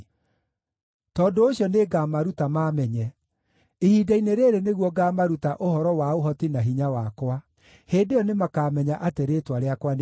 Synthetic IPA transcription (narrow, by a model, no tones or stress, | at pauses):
tɔːndooɕjɔneɡaːmaɾutamaːmɛɲɛ | ehidaineɾeɾeneɣwɔɡamaɾutaʔohɔɾɔwaoɦɔtinaɦiɲawakwa | heːndejɔnemakaːmɛɲaʔateɾeːtwaɾeakwan